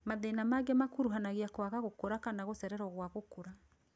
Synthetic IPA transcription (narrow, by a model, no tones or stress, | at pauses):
maðenamaɡɛmakuɾuɦanaɣeakwaɣaɣokoɾakanaɣosɛɾɛɾɔɣwaɣokoɾa